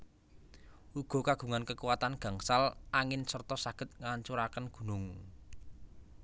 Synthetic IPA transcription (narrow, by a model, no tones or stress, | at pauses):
ʔuɡ̥ɔ̤kaɡ̥ṳŋankəkuwat̪anɡ̥a̤ŋsalʔaŋɪnsərt̪ɔsaɡ̥ə̤t̪̚ŋaɲt͡ʃuɾakənɡ̥ṳnʊŋ